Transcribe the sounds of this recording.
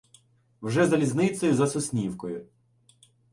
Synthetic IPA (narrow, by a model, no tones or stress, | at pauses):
wʒɛzɐlʲiznɪt̪sɔjʊzɐsʊsʲnʲiwkɔjʊ